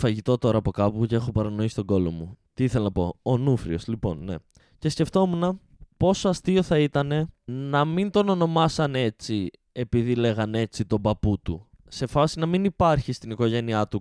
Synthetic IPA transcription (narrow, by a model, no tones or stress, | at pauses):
fɐʝit̪o̞t̪o̞ɾɐːpo̞kɐpucee̞xo̞pɐɾɐno̞isi̥t̪o̞ɡo̞lo̞̰mut̪iiθelɐnɐpo̞̰onufɾio̞slipo̞̰nːe̞̰ | ce̞sce̞ft̪o̞munɐ | po̞soɐst̪io̞θɐit̪ɐne̞nɐmint̪o̞no̞no̞mɐsɐne̞t͡si | e̞piðile̞ɣɐne̞t͡sit̪o̞bɐput̪ṵ | se̞fɐsinɐminipɐɾçist̪iniko̞ʝe̞niɐt̪u